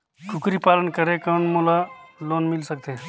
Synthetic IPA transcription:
ʈʰʊkɾipaːlənkəɾekənmulaloːnmɪlsək̚t̪eː

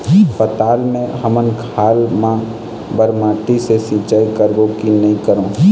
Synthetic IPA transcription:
pət̪aːlmẽɦɐmənkʰaːlmã | bəɾmãːʈisesĩːt͡ʃaːikəɾʋõkinɐɦĩkəɾõː

